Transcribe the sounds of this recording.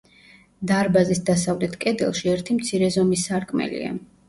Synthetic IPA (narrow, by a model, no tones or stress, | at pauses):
d̪aɾbazisd̪asavlɛt̪ʰkʼɛd̪ɛ̰lˠʃiɛɾt̪ʰimt̪sʰiɾɛzɔmisaɾkʼmɛ̰lḭa̰